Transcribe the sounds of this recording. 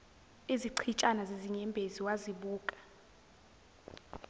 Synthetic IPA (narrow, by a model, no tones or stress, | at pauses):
iziǀʰit͡ʃʼanazeziɲɛmbʱeziwaziɓuːkʼḁ